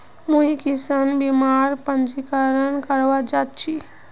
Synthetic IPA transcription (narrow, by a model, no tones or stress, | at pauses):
muɦikisanbimaɾpənd͡ʒikəɾənkəɾʋad͡ʒat͡ʃʰi